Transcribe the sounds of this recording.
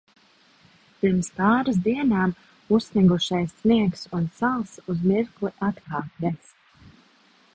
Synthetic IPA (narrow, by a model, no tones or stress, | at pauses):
piɾmspɑːɾasd̪iɛnaːm | ussnʲiɡuʃajsːniɛksunsalˠsuzmiɾklˠiʔat̪kɑːp̚nʲɛs